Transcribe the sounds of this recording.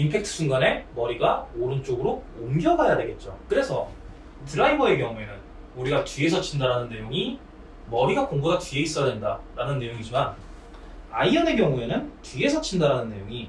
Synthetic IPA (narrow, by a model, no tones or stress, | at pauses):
impʰe̞k̚tʰɯ̥sʰuŋɡane̞mʌɾiɡaoɾɯnt͡ɕ͈oɡɯɾoomɡjʌbajade̞ɡe̞t̚t͡ɕ͈okɯɾe̞sʰʌ | tɯɾaibʌe̞k̬jʌŋue̞nɯn | uɾiɡatɥie̞sʰʌt͡ɕʰindaɾanɯnːe̞joŋi | mʌɾiɡakoŋɡoɡatɥie̞is͈ʌjadwendaɾanɯnːe̞joŋid͡ʑiman | a̰iʌne̞kjʌŋue̞nɯntie̞sʰʌt͡ɕʰindaɾɦanɯnːe̞joŋi